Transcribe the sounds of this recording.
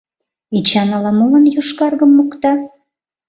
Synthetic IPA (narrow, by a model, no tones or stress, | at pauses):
it͡ɕɑnɑlɑmulə̆njuʃkɑrɣəmːukt̪ɑ